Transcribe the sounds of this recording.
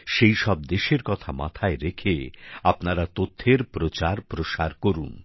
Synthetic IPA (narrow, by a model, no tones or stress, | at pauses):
ʃejʃɔb̚d̪eʃeɾkɔt̪ʰama̰t̪ʰaeɾekʰeapnaɾat̪ot̪ʰːeɾpɾot͡ɕaɾpɾoʃaɾkoɾun